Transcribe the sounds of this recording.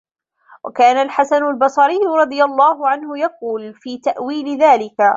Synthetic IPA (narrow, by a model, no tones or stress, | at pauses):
wʔa̰kaːnalħasanʊlbɑsˤɑɾɪjːʊɾˤɑd̪ˤɨjalˤːɑːhʊʕanhʊjaquːlfiːt̪aʔwiːlɪðaːlɪka